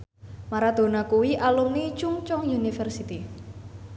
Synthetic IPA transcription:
maɾad̪̥o̤nakuwiʔalumnit͡ʃuŋt͡ʃɔŋjunifɛrsit̪i

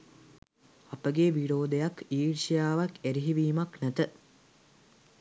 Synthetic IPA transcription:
apəɡeʋiɽoːd̪ejakiːʈʂijaːʋakæɾiɦiʋiːmaknæt̪ə

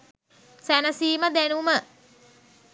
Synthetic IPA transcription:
sænəsiːməd̪ænumə

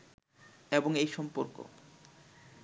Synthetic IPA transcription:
eboŋejʃɔmpoɾko̰

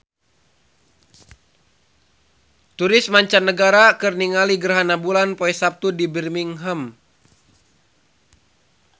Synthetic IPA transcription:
t̪uɾɪsmaɲt͡ʃanːəɡaɾakɨrniŋaliɡərɦanabulanpoɛsap̚t̪udibirmiŋɦəm

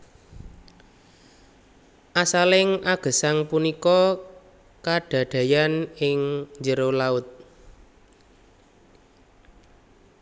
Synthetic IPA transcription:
ʔasalɪŋʔaɡ̥ə̤saŋpunikɔ | kaɖ̥ä̤ɖ̥ä̤janɪŋɲd͡ʒəɾolaʊt̪̚

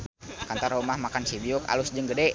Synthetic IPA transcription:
kant̪arumahmakansibiuka̰lusd͡ʒəŋɡədɛ

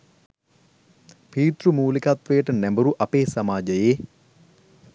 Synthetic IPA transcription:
piːt̪ɾumuːlikat̪ʋejːʈənæmbəɾuʔɐpeːsamaːd͡ʒəjeː

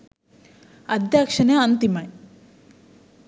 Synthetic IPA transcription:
ɐd̪jaːkʂɐneɐnt̪imaj

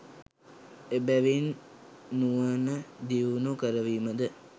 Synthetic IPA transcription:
ebæʋinː | uʋənəd̪iunukəɾəʋiːməd̪ə

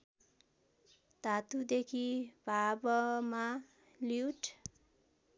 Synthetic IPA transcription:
t̪at̪ud̪ekʰibʱabʌma | liuʈ

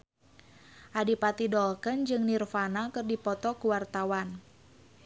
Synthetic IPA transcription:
ʔadipat̪idɔlkənd͡ʒɨŋnirfanakɨrdipɔt̪ɔkuwart̪awan

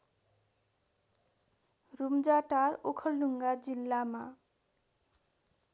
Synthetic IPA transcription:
ɾumd͡ʑaʈaɾokʰɔlːuŋɡad͡ʑilːama

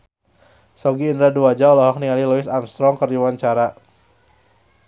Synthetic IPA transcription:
sɔɡiːndɾaduwad͡ʒaɔlɔhɔk̚niŋaliluɪsamst̪ɾɔŋkərd͡ʒuwaɲt͡ʃaɾa

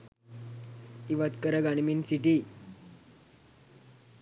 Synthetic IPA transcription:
iʋat̪kəɾaɡaɽ̃minsiʈi

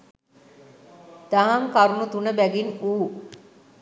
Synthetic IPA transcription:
d̪̥aɦaŋkaɾunut̪unəbæɡinuː

